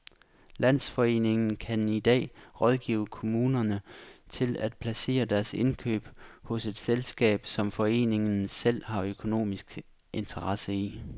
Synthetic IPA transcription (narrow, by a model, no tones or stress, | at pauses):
læn̰sfɒ̽e̝̰ːne̝ŋn̩kʰænid̥ɛ̰ːʁɒ̽ð̞ˠɡ̥ḭːʊ̰əkʰo̝muːnɐnət͡sʰe̝læd̥̚pʰlæse̝̰ːɐd̥æɐse̝nkʰø̰ːb̥hɔ̽se̝d̥selsɡ̥ɛ̰ːb̥sɒ̽mfɒ̽e̝̰ːne̝ŋn̩sel̰hɑ̈økʰo̝no̝̰ːmisɡ̥ | ʔe̝nt͡sʰɐʁɑ̈səi